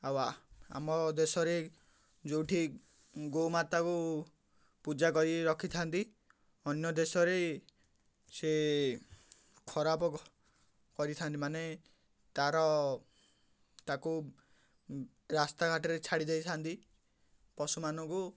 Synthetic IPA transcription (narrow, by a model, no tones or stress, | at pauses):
awaa̰mɔd̪esɔɾe | d͡ʒowʈʰi | ɡomat̪aku | pud͡ʒakɔɾiɾɔkʰit̪ʰant̪i | ɔnjɔd̪esɔɾe | se | kʰɔɾapɔ | kɔɾit̪ʰant̪imane | t̪aɾɔ | t̪aku | ɾast̪akaʈɔɾet͡ʃʰaɽid̪ejt̪ʰant̪i | pɔsumanɔ̃ŋku